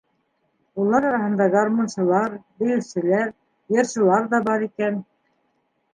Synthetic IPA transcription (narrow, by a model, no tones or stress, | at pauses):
ulˠɑɾɑɾɑhɤ̆nd̪ɑɡarmonʃɤ̆lˠɑɾbɘ̆jɘ̆sɘ̆læɾ | jɤ̆ɾʃɤ̆lˠɑɾðɑbɑɾikæn